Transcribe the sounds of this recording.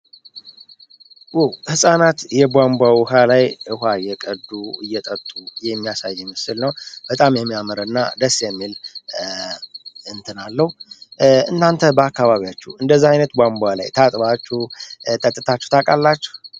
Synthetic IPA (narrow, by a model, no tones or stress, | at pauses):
wɛwhɨsʼanat̪jɛbʷambʷawɔɦalajʔɨhajːɛkʼəd̪uɨ̰jːɛt̪ʼət̪ʼujɛmːijasajːɛmɨsɨlnəwb̥ət̪ʼamjɛmːijaməɾənːa̰d̪əsːjɛmːil | ɨnt̪ʰɨnalːəhu | ɨnːant̪ʰəbəakːaβaβijat͡ʃːɛɨnd̪əzːaajnət̪bʷambʷala̰jt̪ʰat̪ʼbat͡ʃːut̪ʼət̪ʼːɨt̪ʰat͡ʃːɛ̥wt̪ʰakʼalːat͡ʃːɛ̥h